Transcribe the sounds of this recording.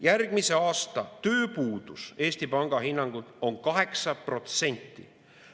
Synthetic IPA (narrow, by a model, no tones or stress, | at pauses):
jærɡ̥mise̞ɑːst̪ɑt̪ø̞ːpuːd̪̥use̞ːsʲt̪ipɑŋɡ̥ɑɦinːɑŋɡ̥ut̪o̞nkɑɦe̞ksɑpro̞t̪se̞nʲt̪ːˑḭ